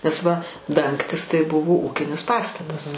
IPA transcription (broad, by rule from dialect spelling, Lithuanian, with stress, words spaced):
nʲɛs ˈʋɐ ˈdɐŋktʲɪs tɐɪ ˈbʊʋoː ˈuːkʲɪnʲɪs ˈpɑːstɐtɐs